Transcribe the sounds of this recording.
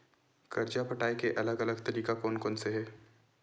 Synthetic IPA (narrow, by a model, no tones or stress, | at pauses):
kɐɾd͡ʒapɐʈaːekeʔɐləɡɐləɡt̪ɐɾiːkakɔːnkɔːnseɦɛː